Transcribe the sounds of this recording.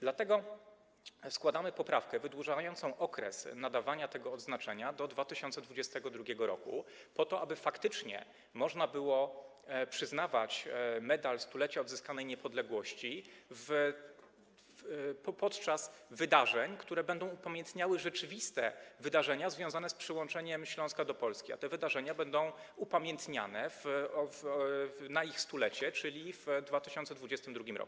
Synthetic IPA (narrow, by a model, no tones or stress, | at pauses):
d̪lat̪ɛɡɔ | skwad̪amɘpɔpɾafkɛvɘd̪wuʐajɔnt̪sɔ̃w̃ʔɔkɾɛ̰snad̪avaɲat̪ɛɡɔːd̪znat͡ʂɛɲad̪ɔd̪vat̪ɘɕɔnt̪sɛd̪vud͡ʑɛst̪ɛɡɔd̪ɾuɡʲjɛɡɔɾɔ̰kṵ | pɔt̪ɔʔabɘfakt̪ɘt͡ʂɲɛ̰ | mɔʐnabɘwɔ | pʂɘznavat͡ɕmɛd̪alst̪ulɛt͡ɕaɔd̪zɘskanɛjɲɛpɔd̪lɛɡwɔɕt͡ɕiv | ppɔt̪t͡ʂasvɘd̪aʐɛɲkt̪uɾɛbɛnd̪ɔ̃w̃upamʲjɛnt̪ɲawɘʐɛt͡ʂɘvʲist̪ɛ̰vɘd̪aʐɛɲazvʲjɔ̃w̃zanɛspʂɘwɔ̃nt͡ʂɛɲɛmɕlɔ̃w̃skad̪ɔpɔlskʲia̰t̪ɛvɘd̪aʐɛɲabɛnd̪ɔ̃w̃upamʲjɛnt̪ɲa̰nɛvvvnaixst̪ulɛt͡ɕɛt͡ʂɘlʲivd̪vat̪ɘɕɔ̃nt̪sɛd̪vud͡ʑɛst̪ɘmd̪ɾuɡʲimɾɔ̰ku̥